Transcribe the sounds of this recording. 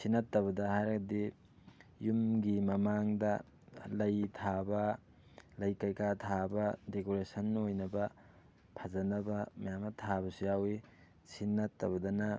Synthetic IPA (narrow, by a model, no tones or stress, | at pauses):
sinɐtːɐβɐdɐhajɾɐɡɐdi | jumɡimɐmaŋdɐ | lɐjtʰabɐ | lɐjkɐjkatʰabɐdekoɾesɐnojnɐbɐ | pʰɐzɐnɐbɐmɐjamɐtʰabɐsujawi | sinːɐtːɐβɐdɐnɐ